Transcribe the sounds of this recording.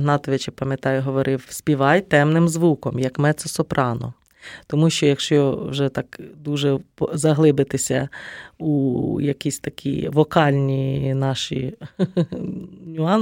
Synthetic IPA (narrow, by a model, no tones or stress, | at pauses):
ɦnɑt̪ɔʋɪt͡ʃɪpɐmʲjɐt̪ɑjʊɦɔʋɔɾʔɪwsʲpʲiʋɑjt̪ɛmnɪmzʋukɔmjɐkmɛt̪sɔsɔpɾʔɑnɔ̰ | t̪ɔmuʃt͡ʃɔjɐkʃt͡ʃɔwʒɛt̪ɑkd̪uʒɛpzɐɦlˠɪbɪt̪ɪsʲɐujɐkʲisʲt̪ɐkʲʰḭʋɔkɑlʲnʲinɑʃi | nʲʊɑn